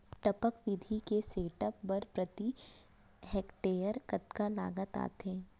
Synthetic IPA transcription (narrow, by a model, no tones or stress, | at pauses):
ʈəpəkʋɪd̪ʱikeseːʈəpbɐɾpɾɐt̪i | heːkʈeːjəɾkɐt̪kala̰ːɡət̪a̰ːt̪eː